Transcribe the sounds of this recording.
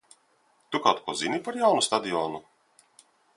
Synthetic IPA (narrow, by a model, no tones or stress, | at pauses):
t̪ukawt̪kʰuɔzinipaɾjawnust̪ad̪ʲiɔːnu